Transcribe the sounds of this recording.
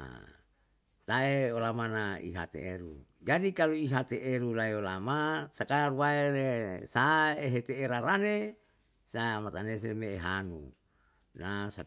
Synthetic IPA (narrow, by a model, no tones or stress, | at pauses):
a̰ | saeolamanaḭɦa̰t̪ḛeɾṵd͡ʒadikaluiɦat̪eʔeɾulaeolamasakaaruwaelesaeɦet̪eːɾaɾane | samat̪anes̬emeːɦanṵ | nasa